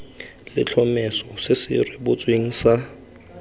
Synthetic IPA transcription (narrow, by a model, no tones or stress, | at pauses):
lɪ̰t͡ɬʰɔmɛsɔsɪsɪ̰rɪbʊt͡sʼweŋ̩sa